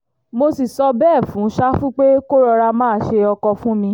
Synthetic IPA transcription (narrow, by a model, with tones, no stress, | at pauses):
mo˧si˨sɔ˧bɛː˦˨fũ˨˦ʃa˦fũ˦k͡pe˦ko˦ɾɔ˧ɾa˧mãː˦˨ʃe˧ɔ˧kɔ˧fũ˦mĩ˧